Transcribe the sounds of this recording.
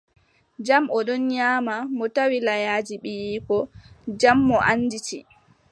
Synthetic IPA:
d͡ʒamɔɗɔnɲaːmamɔtawilajaːd͡ʒiɓijiːkɔd͡ʒamːɔʔanːditi

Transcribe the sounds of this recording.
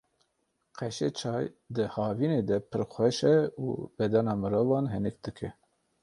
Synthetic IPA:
qʰɛʃet͡ʃʰɑːjd̪ɨhɑːvined̪ɛpʰɨɾxʷɛʃɛṵbɛd̪ɛnɑmɨɾovɑːnɦɛnɨk̚d̪ɨkʰɛ

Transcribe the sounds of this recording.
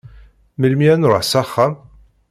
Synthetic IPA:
məlmiænɾ̰ˤʕsaχːæm

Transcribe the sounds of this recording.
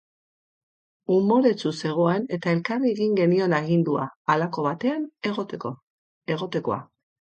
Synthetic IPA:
umo̞ɾe̞t͡suse̞ɣ̞o̞ene̞t̪ae̞lkarieɣiŋɡe̞nio̞naɣind̪ua̰ːlako̞βat̪e̞anɣoo | e̞ɣo̞t̪e̞ko̞̰a̰

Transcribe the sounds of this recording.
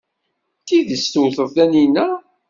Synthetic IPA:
θiðəst̪uwθəðˤθæninæ

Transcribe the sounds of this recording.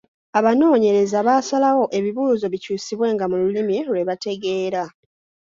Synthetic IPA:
aβano̞ːɲe̞ɾe̞zaβaːsalawo̞ʔe̞βiβuːzo̞βicuːsiβwe̞ːŋɡamululimilweβate̞ɡe̞ːɾa

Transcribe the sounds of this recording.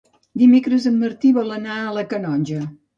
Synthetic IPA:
d̪imekɾəzəmːəɾt̪iβɔlənaələkənɔnʲʒə

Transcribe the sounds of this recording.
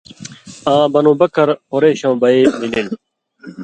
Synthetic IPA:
ãːbɐnũːbɐkɐɾhoɾeːɕõːbɐeːminil

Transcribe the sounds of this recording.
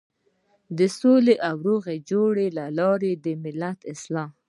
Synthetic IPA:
d̪əsoleʔawɾoɣed͡ʒoɽelalɑɾed̪əmɪlat̪ɪslɑ

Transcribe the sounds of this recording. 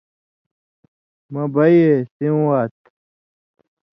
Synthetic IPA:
mɐbɐjesiũwat̪̚

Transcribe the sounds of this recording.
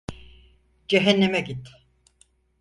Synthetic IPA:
d͡ʒɛɦænːemɛɟit̪

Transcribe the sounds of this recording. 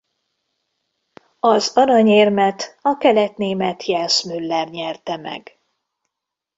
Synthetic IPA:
ɒzɒɾɒɲeːrmɛt̪ɒkɛlɛt̪neːmɛt̪ʰjɛlsmylːɛrɲɛrt̪ɛmɛ̰ɡ

